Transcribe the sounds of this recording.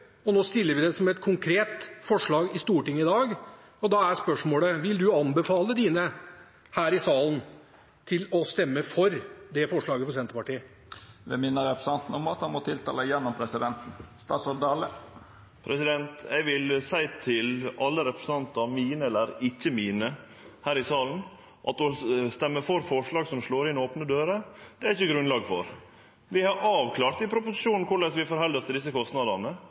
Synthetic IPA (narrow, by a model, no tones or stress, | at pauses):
ɔnoːst̪ɪlːəɾʋɪd̪ɛsɔmɛt̪kʰʊŋkʰɾeːt̪fɔʂɭɑːɡɪst̪uːʈɪŋːəɪd̪ɑːɡ | ɔd̪ɑæɾspœʂmoːɽəʋɪld̪ʉɑnbəfɑːləd̪iːnə | hæːɾɪsɑːlən | t̪ʰɪlɔst̪ɛmːəfɔɾd̪ɛfɔʂɭɑːɡəfɔɾsɛnt̪əpɑʈiːə | ʋ̪ɛmɪnːəɾɛpɾəs̩ɑnt̪n̩ɔmɑt̪hɑnmɔt̪ʰɪlt̪ʰɑ̰ːləjɛnːɔmpʰɾɛsɪd̪ɛnt̪n̩st̪ɑːsɔɾd̪ɑlːə | pʰɾʔɛsɪd̪ɛnt̪æɪʋɪlsæɪt̪ʰɪlɑlːəɾɛpɾə̥sn̩ɑnt̪ɑmiːnəɛlːəɾɪçːəmiːnə | hæːɾɪsɑːln̩ | ʔɑ̰t̪ɔst̪ɛmːəfɔɾfɔʂɭɑːɡsɔmʂloːɾɪnoːpnəd̪øːɾəd̪̥ɛæɾɪçːəɡɾʉnlɑːɡfɔ̰ɾ | ʋɪhɑɾʔɑːʋkʰlɑːɾt̪ɪpʰɾʊpʊsɪʂuːnn̩kʰʊɭɛsʋɪfɔɾɦhɛld̪əst̪ɪd̪ɪs̬ːəkɔst̪nɑd̪ɑnə